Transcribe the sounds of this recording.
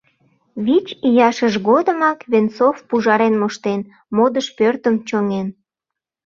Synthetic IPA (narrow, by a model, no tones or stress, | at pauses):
βit͡ɕijɑʃəʒɣod̪əmɑkβent͡sofpuʒɑɾenmoʃt̪en | mod̪əʃpørt̪əmt͡ɕoŋen